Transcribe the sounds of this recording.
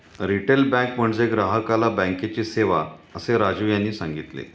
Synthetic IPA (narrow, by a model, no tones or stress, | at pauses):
ɾiʈelbɛ̃km̤əɳd͡zeɡɾaɦəkalabɛ̃ŋket͡ɕiːseʋaəseɾad͡ʑujanːiːsãŋɡit̪lḛ